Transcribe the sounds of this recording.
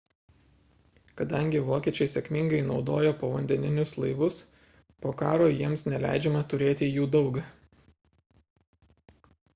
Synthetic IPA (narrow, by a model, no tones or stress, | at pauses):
kɐd̪ɐŋʲɡʲɪʋoːkʲiɛt͡ʃʲɛɪsʲɛkʲmʲɪŋɡɐɪnɒʊd̪oːjoːpoːʋɐnʲd̪ʲɛnʲɪnʲʊslˠɐɪʋʊs | poːkɑːɾoːjiɛmsnʲɛlʲæ̰ˑɪd͡ʒʲɛmɐt̪ʊɾʲeːt̪ʲɪjuːd̪ɒʊɡɐ